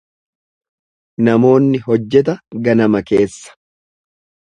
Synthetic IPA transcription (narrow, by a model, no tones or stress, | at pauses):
nɐmo̞ːnːɪɦɔd͡ʒːɛt̪̬ɐɡɐnɐmɐke̞ːsːɐ̥